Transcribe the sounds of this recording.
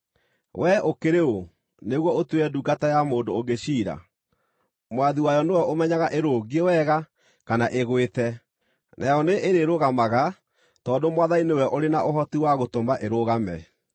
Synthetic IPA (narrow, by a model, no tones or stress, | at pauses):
wʔɛokeɾeo | neɣwɔotweɾɛduɡatajamoːndooɡeɕiːɾa̰ | mwaðiwajɔnewɛʔomɛɲaɣaʔeɾoːɣiewɛɣa | kanaʔeɣwetɛ | nʔajɔneʔeɾeɾoɣamaɣa | tɔːndomwaðainewɛʔoɾenaʔoɦɔtiwaɣotomaʔeɾoɣamɛ